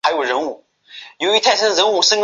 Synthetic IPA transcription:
a˧˥ɪjo˨˩ʊɻə˧˥nu˥˩ | jo˧˥y˧˥t̪ʰa˥˩ɪsʰə˥nɻə˧˥nu˥˩ʂə˥ŋɡ

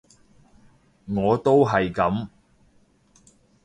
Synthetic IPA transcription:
ŋɔː˨˧t̪o˥wɦɐ˨jkɐ˨˥m

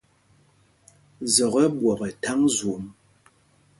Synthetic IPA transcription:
zɔ˨ɣɛ˦bwɔ˨pɛ˨ta˦ŋzu˨ʔm

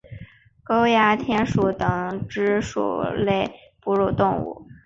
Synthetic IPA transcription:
ko˥ʊja˧˥t̪ʰjɛ˥nʂu˨˩t̪ɤ˧˩ŋʈ͡ʂɻ̩˥ʂṵ˨˩le˥˧ɪ | pu˥˧ɻu˥˧t̪ʊ˥˧ŋṵ˥˩

